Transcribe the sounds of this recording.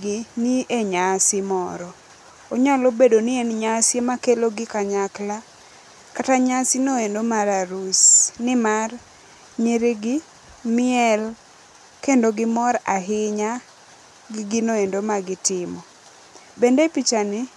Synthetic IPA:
ɡɪnieɲasɪmɔɾɔ | oɲalobedonɪenɲasjemakeloɡɪkaɲakla | kataɲasɪnoendomaɾaɾusnɪmar | ɲeɾiɡɪ | mɪɛl | kendoɡɪmɔɾaɦɪɲa | ɡɪɡɪnoendomaɡɪtɪmɔ | bendepit͡ʃanɪ

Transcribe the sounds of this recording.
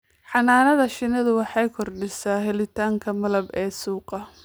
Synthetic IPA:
ħɑnaːnɐðɐʃɪnɐðʊwɑħɑjkʰɔrɖɪsaːɦɛlɪt̪ʰaːŋkʰɐmɐlɐbɛːsuːqɐ

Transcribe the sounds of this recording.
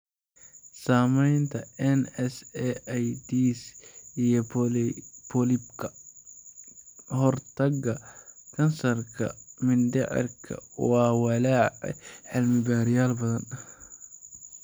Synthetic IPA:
saːmɛjnt̪ʰɐɛnɛsɛjd̪iːsijɔ | pʰɔlɪbkʰɐ | hɔrt̪ʰɐɡɐkʰɐnsɐrkʰɐ̰mɪnd̪ɛʕɪ̰rkʰɐ̰wɑːwɑlaːʕ̰ħɪlmɪbaːɾɪjaːlbɐðɐn

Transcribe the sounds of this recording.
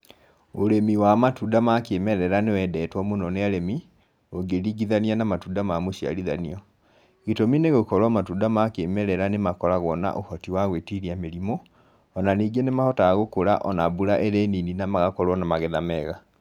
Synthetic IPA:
oɾemiwamatuːdamakemɛɾɛɾanewɛdɛːtwɔmonɔneaɾemi | oɡeɾiɡiðanianamatuːdamamoʃia̰ɾiða̰niɔ | ɣitomineɣokɔɾwamatudamakemɛɾɛɾanemakɔɾaɣwɔna̰ʔohɔtiwaɣwetiɾiameɾimɔː | naniːɡenemahɔtaːɣokoɾa̰ʔɔnabuɾaʔɛɾɛnininamaɣakɔɾwɔnamaɣeðamɛɣa

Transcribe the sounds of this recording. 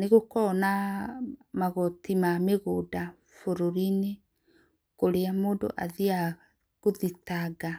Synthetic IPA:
neɣokɔna | maɣɔtimameɣoda | foɾoɾine | koɾeamoːndo̰ʔaðia | ɣoðitaɡa

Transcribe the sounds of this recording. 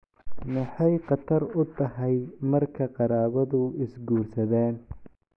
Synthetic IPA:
mɑħɑjqɑt̪ʰɐrʊt̪ʰɐɦɛjmɐrkʰɐqɑɾaːβɐðʊɪsɡuːrsɐðaːn

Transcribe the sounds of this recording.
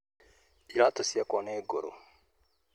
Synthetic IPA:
pilat̪osijakɔnɛɡoɾo̰

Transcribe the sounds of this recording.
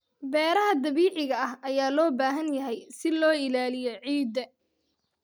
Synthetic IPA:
bɛːɾɐɦɐd̪ɐβiːʕɪɣɐɐɦɐjaːlɔːbaːɦɐnjɐɦɛjsɪlɔːɪlaːlɪjɔʕiːd̪ɐ

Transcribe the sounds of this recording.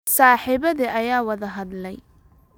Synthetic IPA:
saːħɪβɐðiʔɐjaːwɐðɐɦɐðlɛj

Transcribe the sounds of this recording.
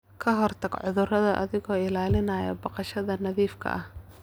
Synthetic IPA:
kʰɐɦɔrt̪ʰɐɡʕʊðʊrɐðɐʔɐ̰ðɪɣɔːɪlaːlɪnɐːjɐ̰bɐqɑʃɐðɐnɐðiːfkʰɐ̰ʔɐh

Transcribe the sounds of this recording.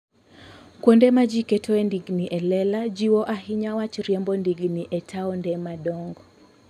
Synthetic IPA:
kwɔndɛmad͡ʒikɛtʰɔɛndiɡniʔɛlɛlad͡ʒiwɔʔaɦiɲawat͡ʃɾjɛmbɔndiɡniʔɛtʰaɔndɛmaɗɔŋɡɔ

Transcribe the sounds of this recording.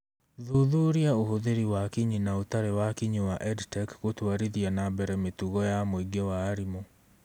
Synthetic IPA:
ðuðuɾiaohoðeɾiwakiɲinaotaɾewakiɲiwaʔɛdtɛkɣotwaɾiðianabɛɾɛmetuɣɔjamoiɡewaːɾimo

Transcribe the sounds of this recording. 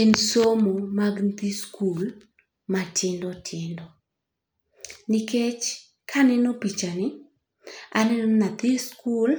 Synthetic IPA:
ensomomaɡnt̪iskul | matʰɪndɔtʰɪndɔ | nɪket͡ʃ | kʰanɛnopit͡ʃanɪ | a̰nɛnɔnat̪iskul

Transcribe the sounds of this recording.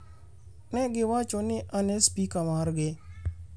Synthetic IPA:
nɛɡɪwat͡ʃonɪʔanespikamaɾɡɪ

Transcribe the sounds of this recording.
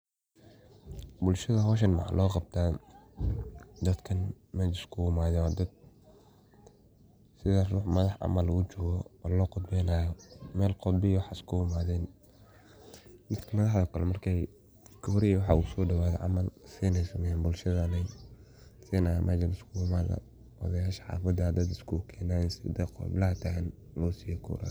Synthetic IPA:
bʊlʃɐðɐɦɔːʃ̬ɐnmɑ̰ħɑ̰lʔɔːqɑb̚t̪ʰaː | d̪ɐd̪kʰɐn | mɛːt͡ʃɪskʰʊwʊmaːðɛad̪ɐd̪̚ | sɪðɐruːħmɐðɑħʕɑ̰mɐluːt͡ʃɔːɣɔ̰ːlɔːqʊd̪bɛːnaːjɔmɛːlqɔd̪̚bɪjwɑħskʰʊʊmaːðɛn | mɪt̪kʰɐmɐðɑħðɔkʰɐlɛmɐrkʰɛj | kʰɔːɾɪjwɑħɑːusɔːɖɐwaːðɛ̰ʕɑ̰mɐlsɛnɛsʊmɛjaːnbʊlʃɐðɐnɛj | sɛːna̰mʔaːt͡ʃɐnɪskʰumaːðɐ̰ | wɑ̰ðɐjaːʃħɑ̰ːfɐd̪ad̪ɐd̪ɪskʰukʰɛːnaːnsɪd̪ɛqɔ̰blɐɦɐt̪ʰɐn | lɔːsiːjɔkʰṵːɾa̰

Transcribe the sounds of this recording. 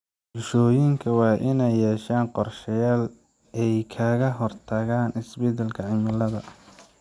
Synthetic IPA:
bɪʃɔːjɪŋkʰɐwɑːʔɪnɛjːɛːʃaːnqɔrʃɐjaːl | ʔɛjkʰɐɣɐɦɔrt̪ʰɐɣaːnɪsbɛd̪ɛlkʰɐʕɪmɪlɐðɐ

